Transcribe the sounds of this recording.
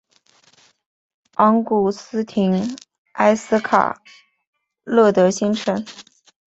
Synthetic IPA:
ɑ˧˥ŋku˨˩sɹ̩˥t̪ʰi˧˥ŋ | a˥ɪsɹ̩˥kʰa̰˨˩ | lɤ˥˩t̪ɤ˧˥ɕi˥ŋʈ͡ʂʰə˧˥n

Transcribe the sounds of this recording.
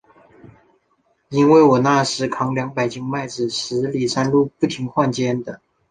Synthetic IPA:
i˥nwe˥˩ɪwɔ˨˩na˥˩ʂɻ̩˧˥kʰɑ˧˥ŋljɑ˧˥ŋpa˨˩ɪt͡ɕi˥ŋma˥˩ɪt͡sɻ̩˨˩ʂɻ̩˧˥li˨˩ʂa˥nlu˥˧pu˥˩t̪ʰi˧˥ŋxwa˥˧nt͡ɕjɛ˥nd̪ə˨

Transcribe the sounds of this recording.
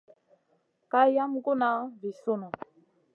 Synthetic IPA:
ka˦ja˦m˦ko˦na˨˦vi˨so˦na˨

